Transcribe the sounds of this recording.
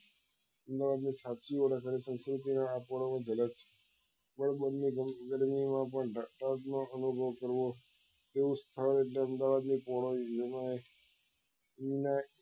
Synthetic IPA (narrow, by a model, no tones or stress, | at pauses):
əmd̪aʋad̪nisat͡ʃiʋəɾakʰaɾisə̃nskɾut̪̬inaapɔɽamãd͡ʒələt̪t͡ʃʰe̥ | bəɽbənmiɡəɾmimãpəɳɖaʈat̪noənubʱəʋkəɾʋo | t̪eũst̪ʰəɾeʈleəmd̪aʋad̪nipɔɭod͡ʒəmae | ina